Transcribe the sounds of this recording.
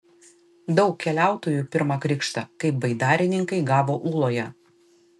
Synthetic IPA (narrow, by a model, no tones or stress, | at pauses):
d̪ɒʊkʲkʲːɛlʲæˑʊt̪oːjuːpʲɪɾmɑkɾʲɪkʃt̪ɐkɐɪp̚bɐɪd̪ɑːɾʲɪnʲɪŋkɐɪɡɑːʋoːʔuːlˠoːjɛ